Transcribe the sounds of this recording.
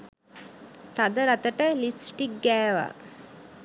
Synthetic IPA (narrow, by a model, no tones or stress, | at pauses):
t̪ad̪əɾat̪əʈəlifsʈik̚ɡɛːʋa̰